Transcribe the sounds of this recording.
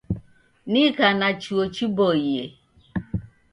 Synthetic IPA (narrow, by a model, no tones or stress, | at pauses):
nikanat͡ʃuot͡ʃibɔijḛ